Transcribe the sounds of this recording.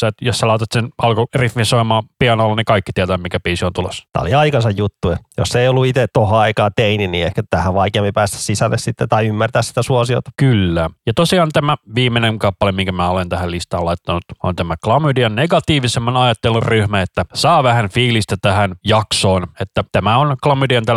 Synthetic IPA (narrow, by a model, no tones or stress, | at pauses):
sæt̪josːælɑit̪ɑt̪senɑlkorifminsoimɑːpiɑnolːɑnikɑikːi̥t̪iæt̪æːmikæpiːsiont̪ulo̰st̪æ̰ːo̰liɑikɑsɑjjut̪ːuɑjo̰sːeiolːuit̪et̪ohoɑikɑːt̪eininḭːehkæt̪æhæʋʋɑikeɑmpipæːst̪æ̥ssisælːessit̪ːet̪ɑiymːært̪æːssi̥t̪æsuosio̰t̪ɑ̥kylːæjɑt̪osiɑːnt̪æmæʋiːmːeneŋkɑpːɑlemiŋkæmæːolent̪æhællist̪ɑːlɑit̪ːɑnut̪ont̪æmæklɑmydiɑnneɡɑt̪iːʋisemːɑnɑjɑt̪ːelːurryhmæet̪ːæsɑːʋæhænfiːlist̪ɑt̪æhænjɑksoːnet̪ːæt̪æmæonklɑmydiɑnt̪æ